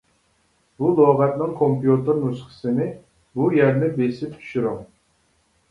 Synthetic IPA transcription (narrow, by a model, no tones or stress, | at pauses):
bulˠoʁɛt̪̚nɨŋkʰompjut̪ɨɾnusχə̥sɨnɪ | bujæɾnɪbesɪp̚t̪ʰy̥ʃyɾɪŋ